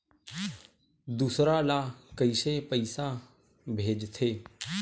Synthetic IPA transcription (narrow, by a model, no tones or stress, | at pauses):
d̪uːsɾaːlaːkəiːseːpəisaː | bʱeːd͡ʒt̪ʰeː